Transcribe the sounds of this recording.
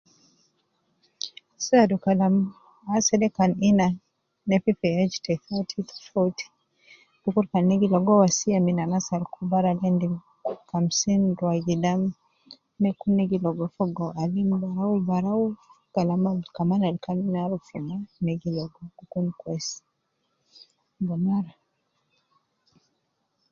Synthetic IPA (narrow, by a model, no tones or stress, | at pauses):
sadukalam | asɛdɛkanina | nɛpipɛɛd͡ʒtʰɛfautʰit̪ʰɔ̥fautʰi̥ | d̥ukuɾkanːɛɡilɔɡɔwasiaminanasaɾkubaɾalɛndi | kamsinduaɡidam | nɛkunɛɡilɔɡɔfɔɡɔʔalimbaɾaubaɾau | ɡ̥alamalkamanalkaminaɾufumanɛɡilɔɡɔkukunkwɛs | bɔnaɾa